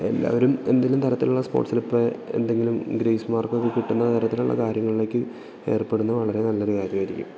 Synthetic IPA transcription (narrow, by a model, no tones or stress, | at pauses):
e̞̰lːa̰ːʋɐɾumend̪ilːumt̪ʰɐɾɐt̪ːiluɭːɐspo̞̰ːʈsilupːɨe̞̰nd̪eŋɡilumɡɾeːsmaːrkokːɨkiʈːunːɐt̪ɐɾɐt̪ːiluɭːɐ̰kaːɾjɐŋːɐɭile̞ːkːɨ | e̞ːrpe̞ɽunːɐʋɐɭɐɾe̞nɐlːoɾukaːd̪jɐiɾikʲːṵm